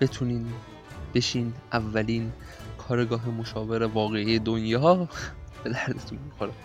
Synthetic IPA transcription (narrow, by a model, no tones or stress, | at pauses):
b̥e̞t̪ʰuniːn | b̥e̞ʃiːnʔævːæliːn | kʰɒːɾeɡɒːɦemo̞ʃɒːve̞ɾevɒːɣeiːjed̪onjɒː | b̥e̞d̪æɾd̪et̪ʰunmixoɾɛ